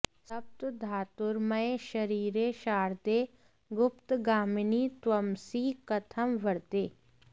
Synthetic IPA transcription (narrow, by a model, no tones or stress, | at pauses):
sɐp̚t̪d̪ʱaːt̪ʊɾmɐeʃɐɾiːɾeʃaːɾd̪eː | ɡʊpt̪ɡaːmniːt̪wɐmsikɐt̪ʰəmʋɐɾt̪eː